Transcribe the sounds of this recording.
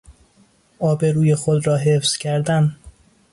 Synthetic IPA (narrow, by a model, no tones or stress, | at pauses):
ʔɒːbe̞ɾuːje̞xod̪ɾɒːɦefz̥cʰæɾd̪æn